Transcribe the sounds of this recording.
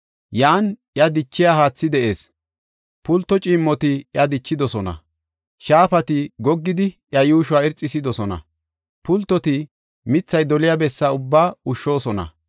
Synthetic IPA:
jaːnʔjɐd̪ɪt͡ʃːɪjaɦaːt͡sːɪd̪ɛʔe̞ːs | pʊlt̪ːɔt͡ʃʼiːmːɔt̪ɪjɐd̪ɪt͡ʃːɪd̪ɔsɔnɐ̰ | ʃaːfɐt̪ɪɡɔɡːɪd̪ɪʔjɐjuːʃʊwaːɛɾt͡sʼːɪsɪd̪ɔsɔnɐ̰ | pʊlt̪ːɔt̪ɪ | mɪt͡sːɐjd̪ɔlɪjabɛsːaʊbːaːʊʃːo̞ːsɔnɐ̰

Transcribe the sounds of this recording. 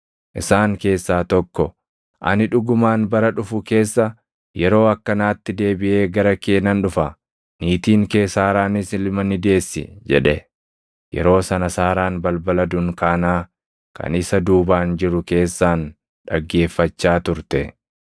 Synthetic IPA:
ʔɪsaːŋke̞ːsːaːt̪ɔkːɔ | ʔɐ̰nɪᶑʊɡʊmaːnbɐɾɐᶑʊfʊke̞ːsːɐ | jɛɾo̞ːɐkːɐnaːt̪ːɪd̪e̞ːbɪʔe̞ːɡɐɾɐke̞ːnːɐnᶑʊfɐ | niːt̪iːŋkeːsaːɾaːnɪsɪlmɐnɪd̪e̞ːsːɪ̰d͡ʒɛᶑɛ | jɛ̰ɾo̞ːsɐnɐsaːɾaːnbɐlbɐlɐd̪ʊŋkaːnaː | kɐ̰nɪsɐd̪uːbaːnd͡ʒɪɾʊke̞ːsːaːn | ᶑɐɡːe̞ːfːɐt͡ʃːaːt̪ʊɾt̪ɛ

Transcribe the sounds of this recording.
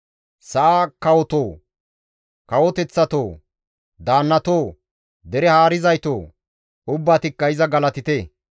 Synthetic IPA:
sɐaːkɐwɔt̪oː | kɐwɔt̪ɛt͡sːɐt̪oː | d̪aːnːɐt̪oː | d̪ɛɾɛhaːɾɪzɐjt̪oː | ʊbːaːt̪ɪkːɐɪzɐɡɐlɐt̪ɪt̪eː

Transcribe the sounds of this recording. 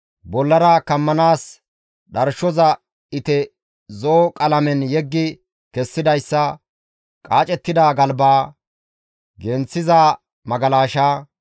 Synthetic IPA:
bɔlːɐɾaːkɐmːɐnaːs | ɗɐɾʃɔzɐ | ɪt̪ɛ | zoːkʼɐlɐmɛnjɛɡːɪ | kɛsːɪd̪ɐjsːɐ | kʼaːt͡ʃʼɛt̪ːɪd̪aːɡɐlbaː | ɡɛnt͡sːɪzaː | mɐɡɐlaːʃaː

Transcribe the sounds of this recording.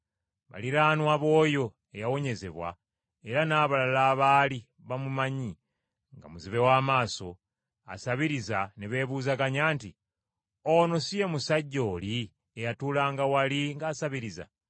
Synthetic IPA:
βa̰liɾaːnwaβo̞ːjo̞ | ejawo̞ɲe̞zḛβwa̰ | e̞ɾanaːβalalaːβaːli | βamumaɲi | ŋɡa̰muziβe̞waːmaːso̞ | a̰saβiɾizaneβe̞βuːzaɡaɲaːnti | o̞no̞sije̞musaɟːo̞ːli | ejatuːlaːŋɡawaliŋɡaːsaβiɾiza̰

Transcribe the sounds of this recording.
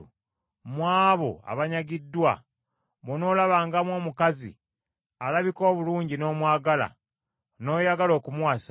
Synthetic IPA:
mwaːβo̞a̰βaɲaɡidːwa̰ | βono̞ːlaβaːŋɡamwo̞ːmukazḭ | alaβiko̞ːβuluːɲɟino̞ːmwaːɡala̰ | no̞ːjaɡalo̞ːkumwaːsa

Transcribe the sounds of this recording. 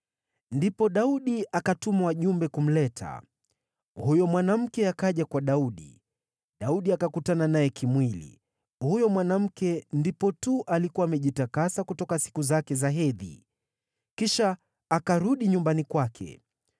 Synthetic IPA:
ndipɔɗauɗiʔakatumawaʄumbɛkum̩lɛtʰa̰ | hujɔmwanam̩kɛakaʄakwaɗauɗḭ | ɗauɗiakakutananajɛkʰimwilḭ | hujɔmwanam̩kɛndipɔtuʔalikuwaːmɛʄitakasakutɔkasi̥kuzakɛzaɦɛðḭ | kiʃaː | kaɾuɗiɲumbanikwakʰɛ̰

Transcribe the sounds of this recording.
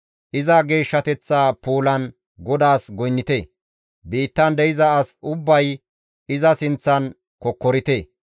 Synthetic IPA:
ʔɪzɐɡe̞ːʃːɐt̪ɛt͡sːaːpuːlɐn | ɡɔd̪aːsɡɔjnːɪt̪eː | biːt̪ːɐnd̪ɛjɪzɐːsʊbːɐj | ɪzɐsɪnt͡sːɐn | kɔkːɔɾɪt̪eː

